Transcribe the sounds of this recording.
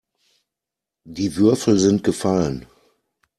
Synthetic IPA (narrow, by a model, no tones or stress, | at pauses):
diːvʏɐfl̩zɪnt̚ɡ̥əfalən